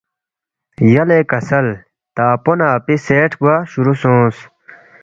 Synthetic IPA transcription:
jɐlekɐsɐl | t̪aːponaːpiseːʈʰɡaɕuɾusõːs

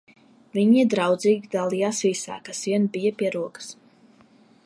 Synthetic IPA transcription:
viɲid̪ɾawd̪ziːɡʲid̪alˠijaːsvisa̰ːkasviɛnbijɐpʲiɛɾuɔkə̥s

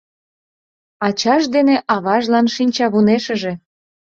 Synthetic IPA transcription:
ɑt͡ɕɑʃd̪eneʔɑβɑʒlɑnʃinʲt͡ɕɑβuneʃə̆ʒe̽

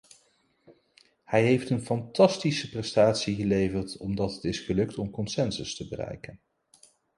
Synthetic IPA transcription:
hɛjɦejftənfɑntɑstisəprɛstaːtsiχəlejvərtʰɔmdɑtɦətɪsχəlɵk̚tɔmkɔnsɛnsəstəbərɛ̰jkən

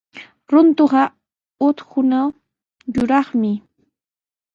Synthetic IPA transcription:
ɾʊnt̪oɢɑ | ʊt̪hʊnaw | jʊɾɑχmɪ

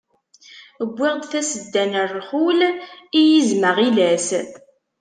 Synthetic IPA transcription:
əɡʷːɪʁd̪θæsəd̪ːænərˤχulijizməʁilæs

